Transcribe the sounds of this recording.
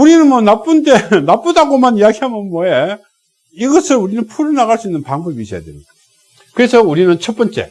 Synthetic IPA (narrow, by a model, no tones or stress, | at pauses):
uɾinɯnmwʌnap͈unde̞nap͈udaɡomanijaɡiɦamjʌnmwʌe | iɡʌsʰɯɭuɾinɯnpʰuɾɯɭnaɣaɭs͈uinːɯnpaŋbʌbiɕʰija̰dwemɲida | kɯɾe̞sʰʌuɾinɯnt͡ɕʰʌt̚p͈ʌnt͡ɕ͈e̞̰